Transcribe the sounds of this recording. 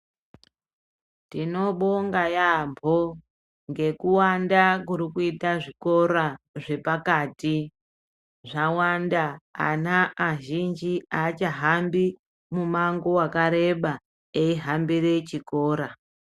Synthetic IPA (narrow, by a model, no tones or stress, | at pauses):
tino̞ɓoŋɡajambʰo | ŋɡe̞kuwandak̬uɾikuitaʐiko̞ɾaʐe̞pakaːti | ʐawanda̰ːnaːʒind͡ʒiaːt͡ʃaɦambi | mumaŋɡowakaɾe̞ɓa | eiɦambiret͡ʃiko̞ːɾa